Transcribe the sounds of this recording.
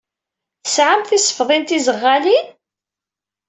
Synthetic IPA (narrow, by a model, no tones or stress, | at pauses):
θəsʕamθisə̥fðˤint̪izəʁːali